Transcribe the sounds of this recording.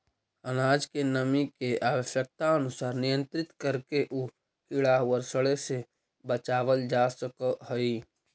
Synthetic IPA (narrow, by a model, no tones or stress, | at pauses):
ənaːd͡ʒkenəmikeʔaːwəʃək̚t̪aənʊsaːɾnijə̃nt̪ɾɪt̪kəɾkeʔuː | kɪɽaːwəɾsəɭese | bət͡ʃaːʋəld͡ʒaːsəkəɦəi